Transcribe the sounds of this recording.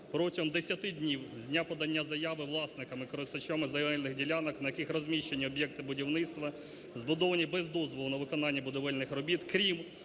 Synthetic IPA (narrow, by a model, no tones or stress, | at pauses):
pɾɔtʲiɦɔmd̪esʲjɐt̪ɪdʲnʲiwzʲdʲnʲapɔd̪ɐnʲːazɐjaʋɪʋlˠɑsnɪkɐmɪkɔɾɪst̪ɐt͡ʃɔmɪzɐjɐʋɛlʲnɪɣdʲilʲanɐknɐjɐkɪxrɔzʲmʲiʃt͡ʃːenʲːiɔbʲjɛk̚t̪ɪbʊdʲiwnɪt̪st̪ʋɐ | zbʊd̪ɔʋɐnʲibɛzd̪ɔzʋɔlˠʊnɐʋɪkɔnɑnʲːɐbʊd̪ɔʋɛlʲnɪxɾɔbʲit̪kɾʲim